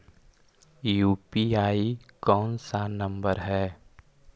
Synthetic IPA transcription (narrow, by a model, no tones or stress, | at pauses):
juːpiaːikɔːnsanɐ̃mbəɾɦɛː